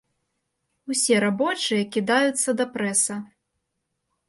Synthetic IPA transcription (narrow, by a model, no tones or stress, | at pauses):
usʲɛɾabɔt͡ʂɨjɐkʲid̪ajut̪sːɐd̪ɐpɾɛsɐ